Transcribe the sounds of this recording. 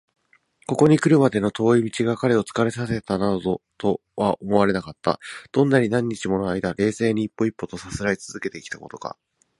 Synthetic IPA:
ko̞ko̞ɲ̟ikɯ̟ɾɯ̟mad̪e̞no̞t̪o̞ːimʲit͡ɕiɡakaɾe̞o̞t͡sɨ̥kaɾe̞s̬ase̞t̪anad̪ot̪o̞ | βaʔomo̞βaɾe̞nakat̪ːa̰d̪̥õ̞nːaɲ̟inãɲ̟ːit͡ɕimo̞noaid̪aɾe̞ːse̞ːɲ̟iːpːo̞ipːo̞t̪o̞sasɨɾait͡sɨz̥ɨke̞t̪e̞kʲi̥t̪ako̞t̪o̞̥ka̰

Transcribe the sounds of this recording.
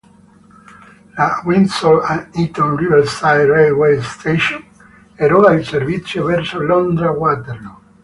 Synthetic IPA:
lawinsɔlait̪ɔ̃nrivɛlst̪ajrɛwejst̪ʰeʃon | ɛɾɔɾailservit̪sːjovɛrsolɔnd̪ɾawat̪eɾlo

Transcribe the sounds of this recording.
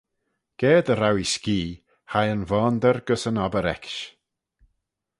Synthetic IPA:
ɡ̥ɛːd̪əɾawiskiː | hajənvɔːnd̪əɾɡ̥əsənabəɾɛ̰kʃ

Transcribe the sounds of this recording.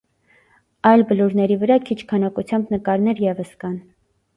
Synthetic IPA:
ɑjlbəluɾnɛɾivəɾɑkʰit͡ʃʰkʰɑnɑkut͡sʰjɑmbnəkɑɾnɛɾjɛvəskɑn

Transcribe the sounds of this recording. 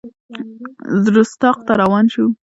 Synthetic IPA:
zɾust̪ɑq̚t̪aɾawɑnʃu

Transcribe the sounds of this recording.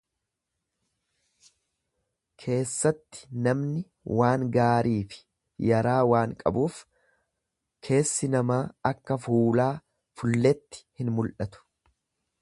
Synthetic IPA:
kʰe̞ːsːɐt̪ːɪ̥nɐmnɪ | waːŋɡaːɾʔiːfɪ̥ | jɐɾaːwaːŋkʼɐ̰buːf | kʰe̞ːsːɪnɐmaːɐkːɐfuːlaː | fʊlːɛt̪ːɪ̥hɪnmʊlʔɐt̪ʊ̥

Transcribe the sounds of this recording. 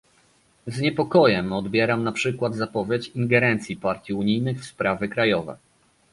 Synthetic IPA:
zɲɛpɔkɔjɛmɔd̪bʲjɛɾamnapʂɘkwad̪zapɔvʲjet͡ɕiŋɡɛɾɛnt̪sʲipaɾt̪ʲjiuɲijnɘxfspɾavɘkɾajɔvɛ̰

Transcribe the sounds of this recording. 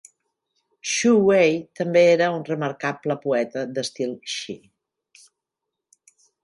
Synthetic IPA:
ʃuwejt̪əmbeeɾəunrəməɾkapləpuɛt̪əd̪əst̪ilˠʃi

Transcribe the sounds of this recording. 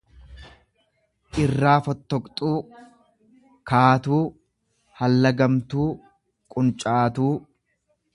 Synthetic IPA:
ʔɪrːaːfɔt̪ːɔkʼt̪ʼuː | kaːt̪uː | hɐlːɐɡɐmt̪uː | kʼʊnt͡ʃʼaːt̪uː

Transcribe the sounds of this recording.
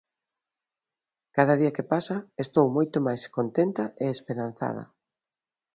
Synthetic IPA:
kaðɐðiɐkepasɐest̪owmojt̪omajskont̪ent̪ɐʔeespeɾan̟θa̰ð̞ɐ̰

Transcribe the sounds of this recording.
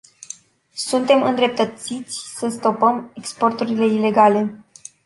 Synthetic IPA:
sunt̪e̞mɨnd̪ɾe̞p̚t̪ət̪sit̪sʲsəst̪o̞pəme̞kspo̞rt̪uɾile̞ile̞ɡale̞

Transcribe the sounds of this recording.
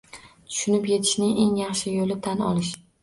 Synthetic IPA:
t̪ʰʊ̥ʃʊnɪpje̞t̪ʰɪ̥ʃnɪŋʔe̞ŋjɑχʃɪjolɪt̪ʰanɒ̰lɪʃ

